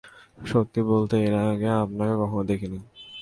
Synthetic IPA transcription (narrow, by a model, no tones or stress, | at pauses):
ʃot̪ːibolt̪eeɾaɡeap̚nakekɔkʰonod̪ekʰini